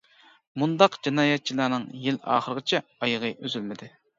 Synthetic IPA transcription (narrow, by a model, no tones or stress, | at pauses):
mund̪ɑqd͡ʒinɑːjɛt̪̚t͡ʃʰilˠɑːnɨŋjilɑ̰ːχəɾəʁɨt͡ʃʰɛɑjəʁəʔøzylmɪd̪ɪ